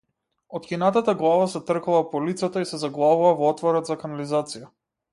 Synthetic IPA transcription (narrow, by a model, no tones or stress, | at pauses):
ɔt̪kʲinat̪at̪aɡlˠavasɛt̪r̩kulˠapɔlit̪sat̪aisɛzaɡlˠavuvavɔɔt̪vɔɾɔd̪zakanalizat̪sija